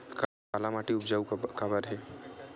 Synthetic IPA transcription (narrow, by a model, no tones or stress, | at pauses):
k | aːlamaːʈiʊpd͡ʒaːukabəɾɦɛː